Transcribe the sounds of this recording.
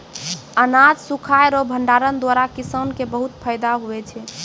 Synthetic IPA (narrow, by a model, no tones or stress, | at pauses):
ənad͡ʒsukʰajɾobʱəɳɖaɾənd̪waɾakisənkebəɦut̪̚pʰəjd̪aɦuɛt͡ʃʰɛ